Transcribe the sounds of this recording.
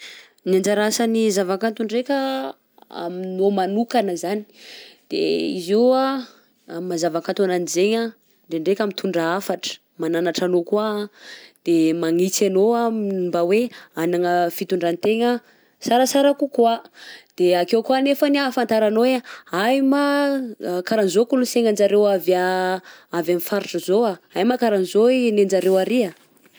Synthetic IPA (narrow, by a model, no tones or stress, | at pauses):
niand͡ʒaɾasanizavakant̪uɳɖ͡ʐekʲa | a̰minomanukanəzani̥d̪̥ḛḭzewa | ammazavakant̪onanizeɲa | ɳɖ͡ʐeɳɖ͡ʐekʲamit̪ʰuɳɖ͡ʐaafaʈ͡ʂə̥ | mananaʈ͡ʂanokua | d̪̥emaŋit͡sanoamimbaweanaŋəfit̪uɳɖ͡ʐant̪eŋə | saɾəsaɾakukwad̪̥eakewkwanefanafant̪aɾanoweajma | kaɾanizokuluseŋand͡ʒaɾewava | avamifaɾiʈ͡ʂəzoaajmakaɾanzoinend͡zaɾewaɾia